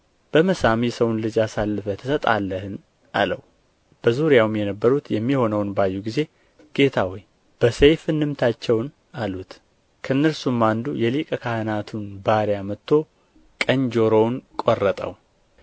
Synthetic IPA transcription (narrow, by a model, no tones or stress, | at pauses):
b̥əməsamisəwunlɨd͡ʒasalːɨfət̪ʰəsət̪ʼa̰lːəhɨn | ʔa̰lə̰w | b̥əzuɾijawmjɛnəbːəɾut̪jɛmːiho̞nəwnbajːuɡize̞ | ɡ̥e̞t̪ʰawɔj | b̥əsejfɨnːɨmt̪ʰat͡ʃːɛwn | alut̪ | kʰəɨnːəɾsumːand̪ujɛlikʼəkʰahɨnat̪ʰunbaɾjamət̪ʰːo̞ | kʼəɲd͡ʒo̞ɾo̞wnkʼorːət̪ʼə̰w